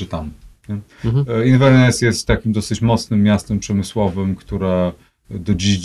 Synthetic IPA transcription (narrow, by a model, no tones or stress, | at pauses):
ɨt̪amɲɛinvɛɾnɛsjɛst̪ːakʲimd̪ɔsɘt͡ɕmɔt̪snɘmːjast̪ɛmpʂɛmɘswɔvɘmkt̪uɾɛ | d̪ɔd͡ʑiʑd͡ʑ